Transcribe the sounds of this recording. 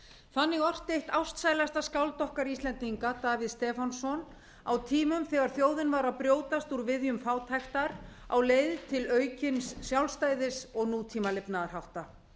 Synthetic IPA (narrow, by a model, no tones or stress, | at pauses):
fanːɪɣɔr̥t̪ejht̪awst̪saːjlast̪askawlt̪ɔhkaɾist̪lɛnt̪iŋkat̪aːvɪðst̪ɛːfansɔn | awt̪ʰiːmʏmθɛɣaɾ̥θjoːwðɪnvaɾawpɾjoːwt̪ast̪uɾvɪðjʏmfaːwt̪ʰajxt̪aɾ | a̰wleːjðt̪ʰɪlœːɥcɪnsːjawlst̪aːjðɪsɔɣnuːt̪ʰiːmalɪpnaaɾ̥hawht̪a